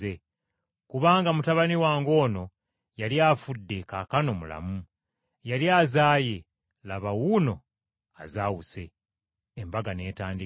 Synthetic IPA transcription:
e | kuβaːŋɡamutaβaniwaːŋɡo̞ːno̞ | jaljafudːe̞kakano̞mula̰mu | jalijaːzaːje̞ | laβawuːno̞ | a̰zaːwuse̞ː | mbaɡane̞ːtaːndi

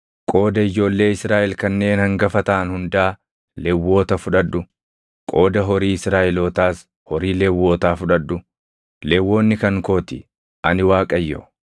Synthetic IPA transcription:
kʼo̞ːd̪ɐɪd͡ʒo̞ːlːe̞ːɪsɾaːʔɛlkɐnːe̞ːnhɐŋɡɐfɐt̪ɐːnhʊnd̪aː | lɛwːo̞ːt̪ɐfʊᶑɐd̪ːʊ | kʼo̞ːd̪ɐɦɔɾiːɪsɾaːʔɛloːt̪aːs | hɔɾiːlɛwːo̞ːt̪aːfʊᶑɐd̪ːʊ | lɛwːo̞ːnːɪkɐŋkoːt̪ɪ | ʔɐnɪwaːkʼɐjːo̰

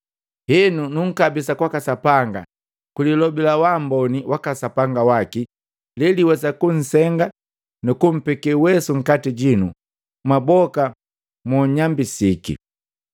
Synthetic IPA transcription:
hɛnunuŋ̩kabisakwakasapaŋɡa̰ | kulilɔbilawambɔniwʔakasapaŋɡawaki | liliwɛsakun̩sɛŋɡa | nukum̩pɛkɛwɛsuŋ̩katiɟinu | mabɔka | mɔɲambisikḭ

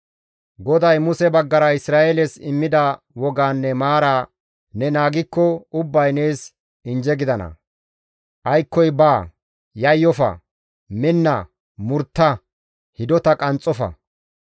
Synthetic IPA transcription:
ɡɔd̪ɐjmʊsɛbɐɡːɐɾɐɪsɾaːʔelɛsɪmːɪd̪ɐ | wɔɡaːnːɛmaːɾaː | nɛnaːɡɪkːɔʊbːɐjne̞ːs | ɪnd͡ʒɛɡɪd̪ɐnɐ̰ | ʔɐjkːɔjbaː | jɐjːɔfɐ̰ | mɪnːɐ | mʊɾt̪ːɐ | hɪd̪ɔt̪ɐkʼɐnt͡sʼːɔfɐ̰

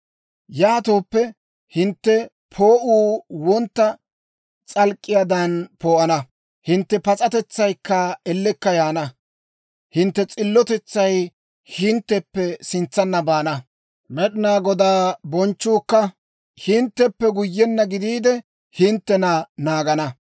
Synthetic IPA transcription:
jaːt̪o̞ːpːɛ | hɪnt̪ːɛ | pʰoːʔuːwɔnt̪ːɐ | t͡sʼɐlkʼːɪjad̪ɐnpoːʔɐnɐ | hɪnt̪ːɛpɐt͡sʼɐt̪ɛt͡sːɐjkːɐɛlːɛkːɐjaːnɐ | hɪnt̪ːɛt͡sʼɪlːɔt̪ɛt͡sːɐj | hɪnt̪ːɛpːɛsɪnt͡sːɐnːɐbaːnɐ | mɛɗɪnaːɡɔd̪aːbɔnt͡ʃːuːkːɐ | hɪnt̪ːɛpːɛɡʊjːɛnːɐɡɪd̪iːd̪ɛ | hɪnt̪ːɛnɐnaːɡɐnɐ

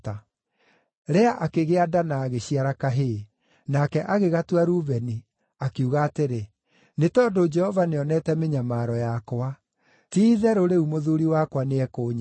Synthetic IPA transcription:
ta | ɾɛaʔakeɣeadanaːɣeɕiaɾakaɦe | nakɛʔaɣeɣatwaɾuβɛni | akeuɣaːteɾe | netɔːndod͡ʒɛhɔvaneɔnɛtɛmeɲamaɾɔjakwa | tiːðɛɾoɾeumoðuɾiwakwaneɛkoːɲa

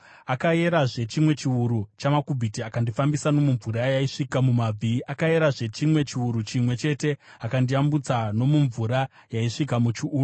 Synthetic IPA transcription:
akaje̞ɾaʐe̞t͡ʃimwe̞t͡ʃiuɾut͡ʃamakubʱitiakandifambisano̞muɱvuɾajaiʂikamumab͡viʔakae̞ɾaʐe̞t͡ʃimwe̞t͡ʃiuɾut͡ʃimwe̞t͡ʃe̞te̞ | akandiambut͡sano̞muɱvuɾa | jaiʂikamut͡ʃuʔː

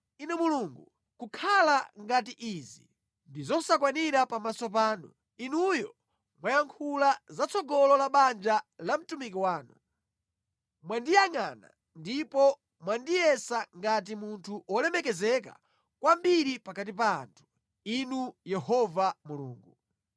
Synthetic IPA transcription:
inɛmuluŋɡṵ | kukʰalaŋɡatiʔizi | ndizɔsakwaniɾapamasɔp̬aːnṵ | inujɔ | mwajaŋkʰulazat͡sʰɔɡɔlɔlaɓand͡ʒalam̩tumik̬iwaːnu | mwandijaŋana̰ | ndipɔ | mwandijɛsaŋɡat̬imuntʰuʔɔlɛmɛkɛzɛk̬a̰ | kwambiɾipakat̬ipa̰ːntʰu̥ | inujɛhɔvamulṵːŋɡu

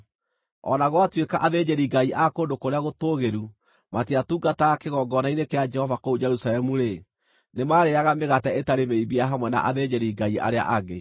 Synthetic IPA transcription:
ɔ̰naɣwatwekaʔaðed͡ʒɛɾiɡaiʔakoːndokoɾeaɣotoːɣeɾu | matiatuːɡatakeɣɔːɡɔnainekead͡ʒɛhɔvakoud͡ʒɛɾusalɛmuɾe | nemaɾeaɣameɣatɛetaɾemeibiaɦamwɛna̰ʔaðed͡ʒɛɾiɡaia̰ɾea̰ʔaɡe

